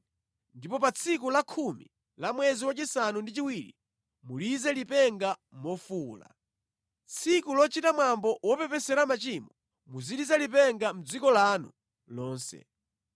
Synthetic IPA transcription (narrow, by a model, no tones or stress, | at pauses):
ndipɔpat͡sʰikulakʰumḭ | lamwɛziwat͡ʃisanundit͡ʃiwiɾḭ | mulizɛlipɛŋɡamɔfuːla̰ | t͡sʰikulɔt͡ʃitamwambɔwɔpɛpɛsɛɾamat͡ʃimɔ | muzilizɛlipɛŋɡam̩d͡zikɔlanṵ | lɔːnsɛ̰